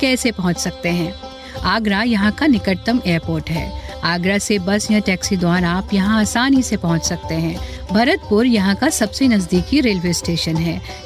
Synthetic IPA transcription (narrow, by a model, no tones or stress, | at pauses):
kɛːsepɐɦʊ̃t͡ʃsɐk̚t̪eɦɛ̃ː | aːɡɾajɐɦãkanɪkəʈt̪ːəmeːɾpoːɾʈɦɛ̰ːaːɡɾasebɐsjɐ̃ʈɛːksid̪waːɾaːpjɐɦãaːsaːnisepɐɦʊ̃t͡ʃsɐk̚t̪eɦɛ̃ːbʱɐɾət̪̚pʊɾjɐɦãkasɐbsenɐzd̪iːkiɾeːlʋeːsʈeːʃənɦɛː